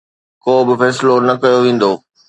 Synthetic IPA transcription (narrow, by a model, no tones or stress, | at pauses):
koːbɪfɛːsɪlonɐkɐjoʋẽːn̆d̪oː